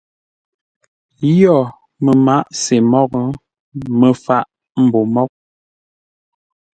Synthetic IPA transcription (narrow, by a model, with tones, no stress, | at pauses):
jɔ˦˨ | mə˨ma˦ʔse˨mɔ˦kə˦ | mə˨fa˦˨ʔ | m̩˨bo˨mɔ˦k̚